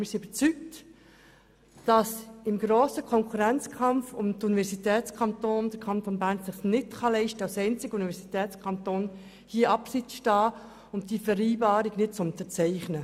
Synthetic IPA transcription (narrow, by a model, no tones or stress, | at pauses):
mɪsiybəɾt͡syk̚t | d̥ɑsɪmɡɾoːsəkʰɔŋkχuɾænt͡skʰɑmfʊmtunivɛɾsitɛːt͡skʰɑntoːndəɾkʰɑnt̪onbæːɾnsɪχsnɪtχɑlɛɪʃtəɑlsɛɪnt͡sɪɡəunivɛɾsitɛːt͡skʰχɑntoːn | hiəɑpsɪt͡sʃtɑː | ʊmd̥ifəɾiːbɑːɾiɡnɪt̚t͡sʊnt̪əɾt͡sɛɪχnə